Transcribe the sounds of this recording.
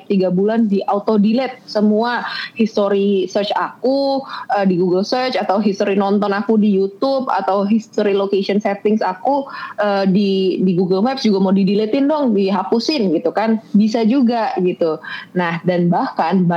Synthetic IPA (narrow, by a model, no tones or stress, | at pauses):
t̪iɡabulandiʔaut̪odilɛt̪̚səmuahist̪oɾisərt͡ʃakuədiɡuɡəlsərt͡ʃat̪awɦist̪oɾinɔnt̪ɔnakudijut̪ʊpa̰t̪awɦist̪oɾilokesiɔnsɛt̪ɪŋsakuədidiɡuɡəlwɛpsd͡ʒuɡamawdidilɛt̪ɪndɔŋdiɦapusɪnɡit̪ukanbis̬ad͡ʒuɡaɡit̪unahdanbahkanb